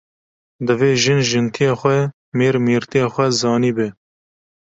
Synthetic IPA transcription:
d̪ɨveːʒɪnʒɨnt̪ʰijɑːxʷɛ | meːɾmiːɾt̪ijɑːxʷɛzɑːniːbe

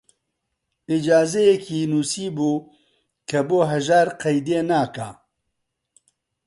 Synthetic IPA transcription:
id͡ʒaːzɛjɛkʰiːnuːsiːbuː | kʰɐboːɦɐʒaːɾqɐjd̪eːnaːka̰ː

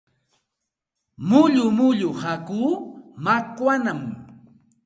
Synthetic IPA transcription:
mʊʎʊmʊʎʊhakuːmakwanam

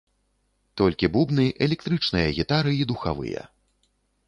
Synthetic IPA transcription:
t̪ɔlʲkʲibubnɨʔɛlʲɛk̚t̪ɾɨt͡ʂnɨjɐɣʲit̪aɾɨid̪uxa̰vɨ̰jɐ̰

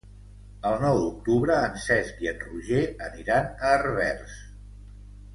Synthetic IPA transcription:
əlˠnɔwd̪uk̚t̪uβɾəːnsɛskiənruʒeəniɾanəːrβɛrs

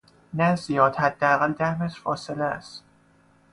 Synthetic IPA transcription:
næzijɒːt̪hæd̪̥ːeæɣæld̪æhmæʃfɒːse̞leæ̰st̪

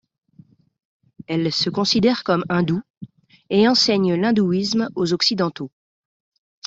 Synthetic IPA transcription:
ɛlsəkɔ̃sid̪ɛʁkɔmɛ̃d̪u | eɑ̃sɛɲlɛ̃d̪uismozɔksid̪ɑ̃t̪o

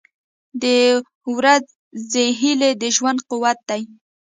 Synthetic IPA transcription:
d̪ə | wɾaz | zeɦiled̪əʒwand̪̚qʊwat̪̚d̪aj

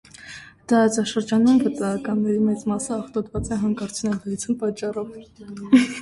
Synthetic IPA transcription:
t̪ɑɾɑt͡sɑʃəɾd͡ʒɑnumvət̪ɑɑkɑnːɛɾimɛt͡smɑsəːχt̪ɔd̪vɑt͡sɛɦɑŋkɑɾt͡sʰnɛlvəit͡sʰunpɑt͡ʃːɑrɔv

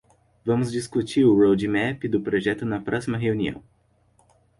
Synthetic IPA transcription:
vɐ̃mʊzd͡ʒiskut͡ʃiɾʊɾowd͡ʒimɛpid̪ʊpɾoʒɛt̪ʊnɐpɾɔsimɐɦeuniɐ̰̃w̃

